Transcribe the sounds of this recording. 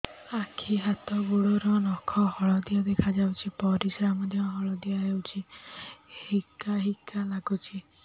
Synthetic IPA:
akʰiɦat̪ɔɡuɽɔɾɔnɔkʰɔhɔɭɔd̪ijad̪ekʰad͡ʒawt͡ʃʰipɔɾisamɔd̪ʱjɔɦɔɭɔd̪iaɦewt͡ʃʰi | hikaɦikalaɡut͡ʃʰi

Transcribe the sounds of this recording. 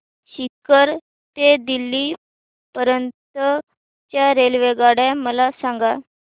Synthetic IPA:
ɕit̪̚kəɾ | t̪ed̪ilːi | pəɾənt̪ə | t͡ɕjaɾelʋeɡaɽaməlasãŋɡa

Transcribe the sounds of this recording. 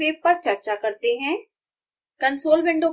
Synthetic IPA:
eːp̚pɐɾt͡ʃɐɾt͡ʃakɐɾt̪eɦɛ̃ː | kɐ̃nsoːlbɪ̃ɳɖõ

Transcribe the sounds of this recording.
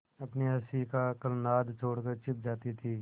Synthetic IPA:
əpneːəsiːkaːkəlnaːd̪t͡ʃʰoːɽkəɾt͡ʃʰɪp̚d͡ʒaːt̪iːt̪ʰiː

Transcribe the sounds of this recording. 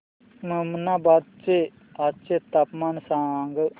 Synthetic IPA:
məmənabad̪̚t͡ʃe | adt͡ʃet̪apmansãŋɡə

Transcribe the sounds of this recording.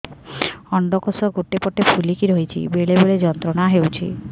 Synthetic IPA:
ɔɳɖɔkɔsɔɡoʈepɔʈːepʰulikiɾoɦit͡ʃʰḭbeɭeboɭed͡ʒɔnt̪ɾɔɽaɦewt͡ʃʰḭ

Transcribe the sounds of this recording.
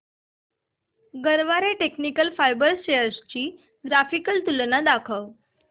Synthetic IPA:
ɡəɾʋaɾeʈeknikəlfajbəɾɕeəɾst͡ɕiː | ɡɾafikəlt̪ulnad̪akʰəw

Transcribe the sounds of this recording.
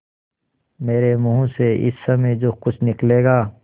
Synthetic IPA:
meːɾemʊɦũseɪ̰sːɐmejd͡ʒoːxʊt͡ʃʰnɪkleːɡaː

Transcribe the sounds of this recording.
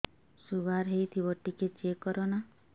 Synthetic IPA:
suɡʱaɾɦejt̪ʰibɔʈiket͡ʃekɔɾɔna

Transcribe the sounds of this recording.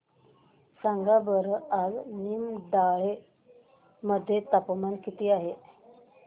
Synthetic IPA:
saŋɡabəɾaɡnimd̪aɭe | məd̪ʱːjet̪apmankit̪iːaɦe

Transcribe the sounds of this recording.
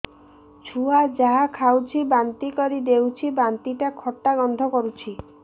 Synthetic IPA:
t͡ʃʰuad͡ʒaɦakʰawt͡ʃʰibant̪ikɔɾid̪ewt͡ʃʰibant̪iʈakʰɔʈːaɡɔnd̪ʱɔkɔɾut͡ʃʰi

